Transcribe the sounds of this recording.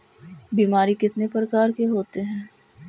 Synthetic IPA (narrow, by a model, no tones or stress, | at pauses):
biːmaːɾikɪt̪nepəɾəkaːɾkeɦoːt̪eɦɛ̃ː